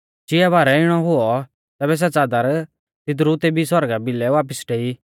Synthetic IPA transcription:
d͡ʒɪabaːɾɛɪɽ̃ɔɦʊɔ | t̪ɛːbɛs̬ɛt͡saːd̪aɾ | t̪ɪt̪̬ɾut̪ebʱisɔɾɡabɪlɛʋaːp̬əsʈeːi

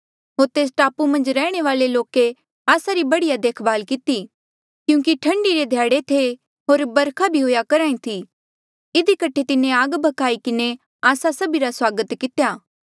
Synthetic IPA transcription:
ɦoːɾt̪eːs̬ʈaːpumɐ̃nd͡ʒɾɛːɽ̃eʋaːleloːke | aːsaɾibɐɽijad̪eːkʰbaːlkɪt̪i | kjũːkiʈʰɐ̃ɳɖiɾed̪ʱjaːɽet̪ʰe | ɦoːɾbɐɾkʰabʱiɦoːjakɐɾaːĩt̪ʰi | ɪd̪ikɐʈʰet̪ɪnẽaːɡbʱɐkaːikɪne | aːsasɐbiɾaswaːɡət̪kɪt̪ejaː

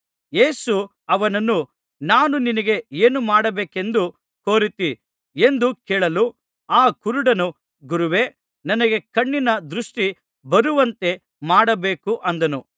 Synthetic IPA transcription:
jeːsu | ɐʋɐnɐnːu | naːnuninɐɡe̞eːnumaːɽɐbeːke̞nd̪u | ko̞ːɾit̪i | e̞nd̪ukɛːɭɐlu | aːkuɾuɽɐnu | ɡuɾuʋe̞ | nɐnɐɡe̞kɐɳːinɐd̪ɾuʂʈi | bɐɾuʋɐnt̪e̞ | maːɽɐbeːkuʔɐnd̪ɐnu

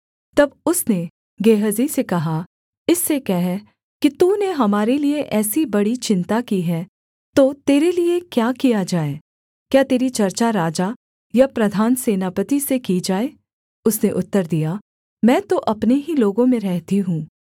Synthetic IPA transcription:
t̪ɐbʊsne | ɡeːɦəzisekɐɦa | ɪsːekɛɦɛ | kit̪uːneɦɐmaːɾelieʔɛːsibɐɽit͡ʃɪ̃nt̪akiɦɛː | t̪ot̪eːɾeliekjaːkijad͡ʒaːeː | kjaːt̪eːɾit͡ʃɐɾt͡ʃaɾaːd͡ʒa | japɾɐd̪ʱaːnseːnaːpət̪isekid͡ʒaːeː | ʊsneʔʊt̪ːəɾd̪ija | mɛ̃ːt̪oʔɐpneɦiloːɡõmẽɾɛɦt̪iɦũː

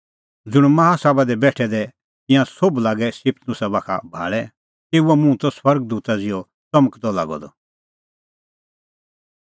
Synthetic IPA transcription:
d͡zʊɽ̃mɐɦasaːbad̪ɛbɛːʈʰɛd̪ɛ | t̪ɪ̃jãsoblaːɡɛsɪpʰt̪ʰnʊsabaːkʰa̰bʱa̰ːɭɛ | t̪eːuɔmũt̪ɔswɐɾɡd̪uːt̪ad͡zɪjɔ | t͡sɐməkʰd̪ɔla̰ːɡɔ̰d̪ɔ̰

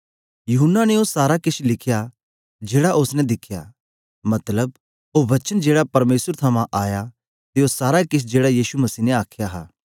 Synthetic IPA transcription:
jʊɦʊnːanɛosaːɾakɪt͡ʃʰlɪkʰja | d͡ʒeːɽaʔʊsnɛd̪ɪkʰja̰ | mɐt̪ləb | ɦoʋɐt͡ʃənd͡ʒeːɽapɐɾmeːsəɾt̪ʰɐmãʔaːja | t̪eosaːɾakɪt͡ʃʰd͡ʒeːɽajiːsumɐsiːnɛaːkʰjaɦa̰ː

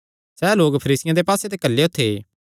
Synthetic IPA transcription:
sɛːloːkpʰəɾiːsɪjãd̪epaːset̪ekɐlːeot̪ʰːe

